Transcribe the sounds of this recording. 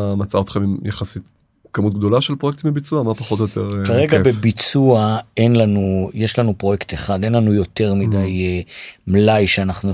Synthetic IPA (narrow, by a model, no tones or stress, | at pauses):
mat͡saaot̪χemimjaχasit̪ | kamut̪̚ɡ̚d̪o̞laʃelpʁoek̚t̪imbebit͡suamapaχo̞t̪ojot̪ʰeʁkaʁeɡabebit͡suae̞nlanujeʃlanupʁo̞jekt̪eχad̪e̞nlanujo̞te̞ʁmidaj | mlajʃeanaχnu